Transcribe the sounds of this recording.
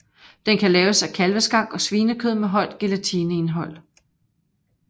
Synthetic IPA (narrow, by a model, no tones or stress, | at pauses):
d̥enkʰælɛːʊsækʰælʋəsɡ̥ɑ̈ŋ̰ɒ̽sʋiːnəkʰøð̞̰ˠmeɦɒ̽l̰d̥̚ɡ̥e̝læt͡sʰinəe̝nɦɒ̽l̰